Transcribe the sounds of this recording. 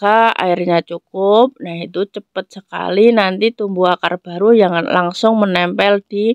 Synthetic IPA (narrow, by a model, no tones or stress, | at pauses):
kaa̰irɲat͡ʃukʊp̚nahit̪ut͡ʃəpət̪̚səka̰linant̪it̪umbuakarb̥aɾujaŋnlaŋsʊŋmənɛmpɛld̥i